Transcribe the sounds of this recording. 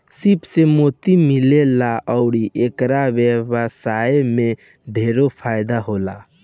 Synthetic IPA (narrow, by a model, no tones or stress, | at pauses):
sipsemot̪imilelaʔəʊɾiʔekɾabebəsajeme | ɖʱeɾopʰajd̪aɦola